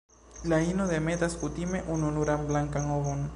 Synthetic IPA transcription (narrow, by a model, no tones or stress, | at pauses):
lainoðemet̪askut̪imeʔununuɾamblaŋkaŋoɣon